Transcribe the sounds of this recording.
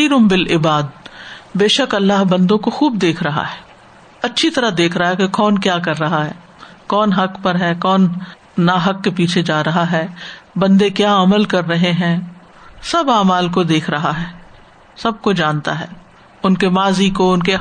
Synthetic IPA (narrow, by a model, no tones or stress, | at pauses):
iɾʊmbɪlɪbaːd̪̚beːʃəkɐlːaɦbɐ̃nd̪õkoxuːb̚d̪eːkʰɾɐɦa̰ɦɛː | ɐtːʃʰit̪ɐɾad̪eːkʰɾɐɦaɦɛkekɔːnkjaːkɐɾːɐɦaɦɛː | kɔːnɦɐkpɐɾɦɛːkɔːnː | aɦɐkːepiːt͡ʃʰed͡ʒaːɾɐɦaɦɛːbɐ̃nd̪ekjaːɐməlkɐɾːɐɦeɦɛ̃ː | sɐbaːmaːlk̬od̪eːkʰɾɐɦaɦɛː | sɐb̚kod͡ʒãːnt̪a̰ɦɛː | ʊnkemaːzikoʊnke